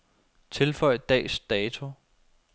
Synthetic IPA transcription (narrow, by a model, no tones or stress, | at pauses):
t͡sʰe̝lfɒ̽ɪ̰d̥ɛ̰ːsd̥ɛːt͡sʰo̝